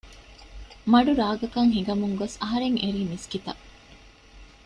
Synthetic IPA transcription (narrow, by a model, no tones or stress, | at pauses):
mɐɖuɾaːɡɐkɐŋɦiɡɐmuŋɡosɐɦɐɾeŋeɾiːmiskit̪ɐ̰